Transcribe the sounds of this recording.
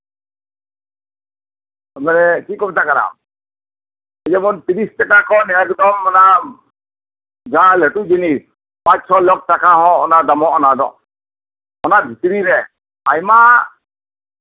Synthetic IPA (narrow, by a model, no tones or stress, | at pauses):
ɔmɛnɛkikɔbɛt̪ʰakaɾa̰m | ɛd͡ʒɛmɔnt̪iɾistakakɔnɛkd̪ɔmːɔna | ɡãlɛʈud͡ʒinis | pãt͡ʃsɔlɔk̚ʈakaɦɔ̃ʔɔ̰nad̪amɔʔɔnad̪ɔ̰̃ʔ | ɔnabʱit̪ɾiɾɛ | ajma